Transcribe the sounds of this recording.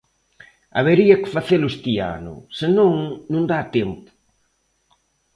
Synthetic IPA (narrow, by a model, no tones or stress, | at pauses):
a̰βeɾiɐkɪ̥faθelʊest̪ia̰nʊ̰sɪnõŋnũnd̪at̪ɛmpʊ̥